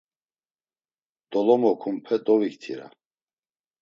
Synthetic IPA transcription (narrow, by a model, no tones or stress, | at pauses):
d̪̥ɔlɔmɔkʰumpʰɛd̪ɔvik̚t̪ʰḭɾa̰